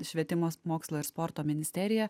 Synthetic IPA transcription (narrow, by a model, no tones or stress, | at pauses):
ʃʲʋʲiɛt̪ʲɪmoːmoːkslˠoːɪɾspɔɾt̪oːmʲɪnʲɪst̪ʲɛɾʲɪjɛ